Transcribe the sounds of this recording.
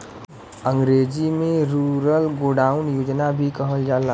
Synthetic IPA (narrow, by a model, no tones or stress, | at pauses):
ə̃ŋɡɾeːd͡ʒimẽɾuːɾəlɡoːɖaːʊnjoːd͡ʒnabʱikəɦəld͡ʒaːla